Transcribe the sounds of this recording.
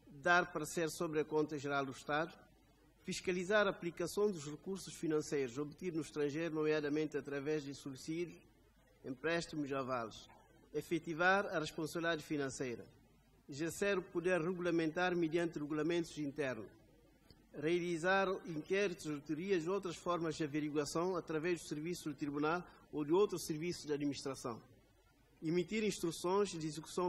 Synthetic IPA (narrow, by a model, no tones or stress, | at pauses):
d̪aɾpɐɾseɾsobɾɐkõnt̪ɐʒeɾalˠd̪uʃt̪ad̪u | fiʃkɐlizaɾaːplikɐsõw̃d̪uʃrɨkuɾsu̥ʃfinɐ̃sejɾuzobt̪iɾnuʃt̪ɾɐ̃ʒejɾunomjad̪ɐmẽnt̪ɐt̪ɾɐvɛʒd̪ɨsuisid̪juʃ | ẽmpɾɛʃt̪imuzava̰lˠʃ | efɛt̪ivaɾɐreʃpõsɐβilid̪aðɨfinɐ̃sejɾɐ̰ | izeɾseɾupud̪eɾreɣulɐmẽnt̪aɾmɨd̪jɐ̃nt̪ɨreɣulɐmẽnt̪u̥zĩnt̪ɛɾnuʃ | riɐlizaɾĩŋkɛɾit̪uʃut̪uɾiɐzowt̪ɾɐʃfɔɾmɐʒd̪ɨɐveɾiɣwɐsɐ̃w̃ɐt̪ɾɐvɛʒd̪useɾvisud̪ut̪ɾiβunalˠod̪ɪowt̪ɾuseɾvisuʒd̪ɐd̪miniʃt̪ɾɐsɐ̰̃w̃ | imit̪iɾĩʃt̪ɾusõj̃zd̪izeku̥sɐ̃w̃